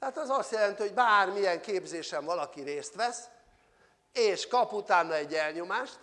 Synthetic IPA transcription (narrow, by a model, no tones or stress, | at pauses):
t̪ɛat̪ɛzɒst̪jɛlɛnt̪iɦo̞ɟbaːrmijɛŋkeːbzeːʃɛɱvɒlɒkiɾeːst̪ʋɛs | eːʃkɒput̪aːnːɒɛɟːɛlɲomaːʃt̪